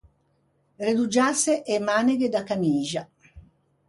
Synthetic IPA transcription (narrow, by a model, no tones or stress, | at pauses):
red̪ud͡ʒaseʔemaːneɡed̪akamiːʒa